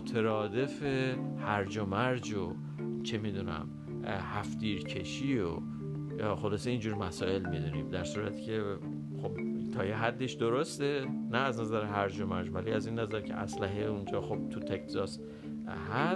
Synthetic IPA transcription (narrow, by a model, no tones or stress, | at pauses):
ot̪ʰeɾɒːd̪e̞fehæɾd͡ʒomæɾd͡ʒo | t͡ʃʰemiːd̪unæ̰m | hæfd̪iːɾcʰe̞ʃiːo̰ | jɒːxo̞lɒːseind͡ʒuːɾmæsɒːe̞lmid̪unḭmd̪æɾsuːɾæt̪ʰi̥cʰe | xobt̪ʰɒːjeɦæd̪ːe̞ʃd̪o̞ɾost̪e̞næːznæzæɾeɦæɾd͡ʒo̞mæɾd͡ʒvæliæzinːæzæɾcʲʰe̞̰ʔæ̰slæɦeund͡ʒɒːxob̥̚t̪ʰut̪ʰekzɒs | hæ